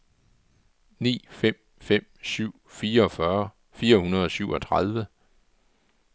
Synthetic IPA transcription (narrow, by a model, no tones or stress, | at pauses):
nḭːfem̰ | fem̰syʊ̰fiːɐɒ̽fɶɐ | fiːɐhunɐð̞ˠɒ̽syʊɒ̽t͡sʰʁað̞ˠʋə